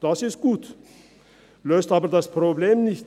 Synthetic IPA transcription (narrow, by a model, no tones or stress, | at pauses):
d̥asɪst̚ɡ̥uːt | løːstaːbəɐdaspʁ̥obleːmnɪçt